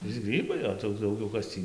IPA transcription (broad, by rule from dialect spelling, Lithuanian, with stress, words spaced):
ʋʲɪˈsʲɪ ˈɡrʲiːbɐɪ oː tɐɪ jɛʊ ˈdɐʊɡʲɛʊ ˈkɐs tʲiː